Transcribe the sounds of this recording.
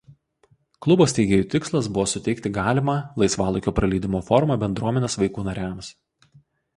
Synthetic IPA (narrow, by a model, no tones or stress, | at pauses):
klˠʊboːsʲt̪ʲɛɪɡʲeːjuːˑt̪ʲɪkslˠɐsbʊʋoːsʊt̪ʲɛɪkt̪ʲɪɡɑːlʲɪmɑːlˠɐɪsʋɑːlˠʊkʲoːpɾɐlʲiːd̪ʲɪmoːfɔɾmɑːˑbʲɛnd̪ɾuɔmʲɛnʲeːsʋɐɪkuːnɐɾʲæms